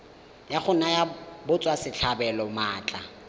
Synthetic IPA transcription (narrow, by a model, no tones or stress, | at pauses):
jaχʊnajabʊt͡sʼwasɪt͡ɬʰabɛlɔmaːt͡ɬʼa